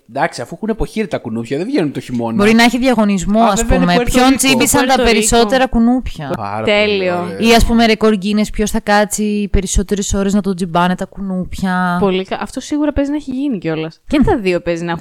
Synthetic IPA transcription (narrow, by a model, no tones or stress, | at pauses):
d̪ɐksiɐfuɛxunepo̞çiɾit̪ɐkunupçɐðevʝenunt̪oçimonbo̞ɾinɐeçiðʝɐɣo̞nizmo̞ɐspumepço̞nt͡sibisɐnt̪ɐpe̞ɾiso̞t̪e̞ɾɐkunupçɐt̪elioiɐspume̞ɾe̞ko̞ɾʝinespço̞sθɐkɐt͡sipe̞ɾiso̞t̪e̞ɾeso̞ɾe̞znɐt̪o̞d͡zibɐnet̪ɐkunupçɐpo̞likɐɐft̪o̞siɣuɾɐpezinɐeçiʝiniceo̞lɐscet̪ɐðio̞pezinex